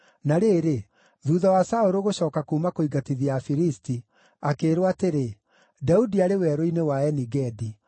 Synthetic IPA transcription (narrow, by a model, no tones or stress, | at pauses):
naɾeːɾe | ðuːðawasaoɾoɣoɕɔːkakuːmakoiɡatiðiafiɾisti | akeɾwateɾe | daudiaɾewɛɾoinewaɛniɡɛdi